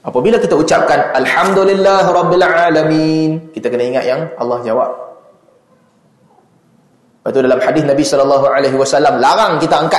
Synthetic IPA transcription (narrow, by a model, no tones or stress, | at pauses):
apabilakit̪aut͡ʃap̚kanalħamd̪ulilːaɦɾˤɑbːɪlʕaːlaminkit̪akənaiŋat̪̚jaŋɑlːɑhd͡ʒawa̰p̚ | bat̪udalamħadɪθnabisɔlɔlːaɦuʕaleɦiwasalːamlaɾaŋkit̪aaŋka